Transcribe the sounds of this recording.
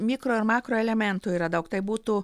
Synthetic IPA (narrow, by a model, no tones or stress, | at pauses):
mʲikɾoːɪɾmɑːkɾoːɛlʲɛmʲɛnt̪uiːɾɐd̪ɐʊkt̪ɐɪbuːt̪u